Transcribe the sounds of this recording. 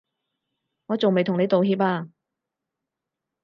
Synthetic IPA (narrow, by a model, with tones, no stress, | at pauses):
ŋɔː˨˧t͡so˨wme˨jt̪ʰʊ˨˩ne˨˧jt̪o˨whiː˧p̬̚aː˧